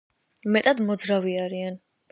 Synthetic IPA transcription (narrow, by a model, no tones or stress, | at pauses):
mɛt̪ʼad̪mɔd̪zɾaviaɾian